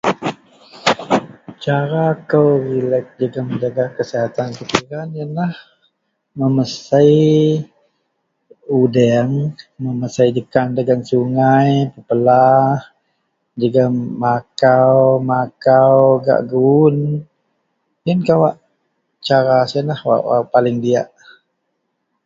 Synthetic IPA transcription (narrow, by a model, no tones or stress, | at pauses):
t͡ʃaɾakəwɾilək̚d͡ʒəɡaməd͡ʒaɡakəsiɦat̪ankətiɾanjənah | məməsəj | udɛŋməməsəjd͡ʒəkandaɡansuŋajpəpəlah | d͡ʒəɡamakawmakawɡa̰ʔɡun | jənkawaʔ | t͡ʃaɾasiənahwa̰ʔwa̰palɪŋdiaʔ